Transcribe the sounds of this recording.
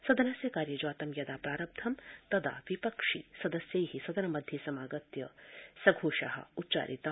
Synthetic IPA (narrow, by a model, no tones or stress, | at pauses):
sɐd̪ɐnɐsjɐkaːɾjɐd͡ʒaːt̪ɐmjɐd̪aːpɾaːɾɐb̚d̪ʰɐmt̪ɐd̪a̰ːʋipɐkʂisɐd̪ɐsjɐjɦisɐd̪ɐnɐmɐd̪ʱjesɐmaːɡɐt̪jɐsɐɡʱoːʃɐ̰ɦɐ̰utːt͡ʃa̰ːɾʔit̪a